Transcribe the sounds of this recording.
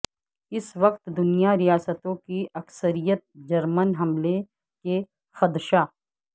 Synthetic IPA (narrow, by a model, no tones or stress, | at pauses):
ɪsʋɐqt̪d̪ʊnijaɾijaːsət̪õkiɐksəɾijət̪̚d͡ʒɐɾmənɦɐmle | ke | xɐd̪ʃaː